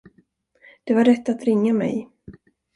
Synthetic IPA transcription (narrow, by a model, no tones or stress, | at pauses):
d̪̥ɛvaɾɛt̪ːat̪ɾɪŋːamɛ̰j